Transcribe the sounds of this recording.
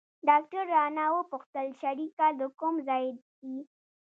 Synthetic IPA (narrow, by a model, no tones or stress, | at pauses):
ɖɑk̚ʈaɾːɑnawəpʊxt̪əlʃaɾikad̪əkʊmzɑjɪd̪ | i